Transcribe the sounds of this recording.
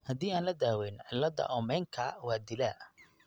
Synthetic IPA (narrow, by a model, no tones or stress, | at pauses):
hɐd̪iːaːnlɐd̪aːwɛːnʕɪlːɐd̪ɐ̰ʔɔːmɛːŋkʰɐwaːd̪ɪlaː